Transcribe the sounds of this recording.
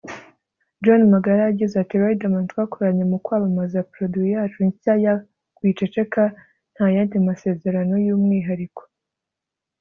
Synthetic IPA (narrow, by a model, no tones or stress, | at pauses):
d͡ʒonmaɡaɾaːɟizatiɾaidamantwakoɾaɲemukwaːβamazapɾoduijaːt͡ʃuɲaja | kwit͡ʃet͡ʃeka | n̥hajandimase̞ːze̞ɾano̞juːmŋiːɦaɾiko̥